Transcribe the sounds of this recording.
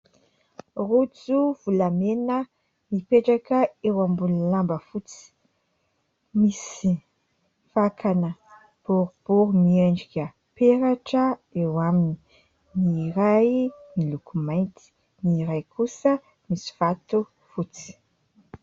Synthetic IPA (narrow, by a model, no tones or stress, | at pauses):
rut͡suv̥ulamenə | nipeʈ͡ʂakəewambululambəfut͡si̥ | misi | fakʰanə | b̥uɾub̥uɾumieɳɖ͡ʐikʲə | peɾaʈ͡ʂəewamini | niɾajnilukumajnt̪i̥ | niɾajkusə | misi̥v̥at̪u | fut͡si̥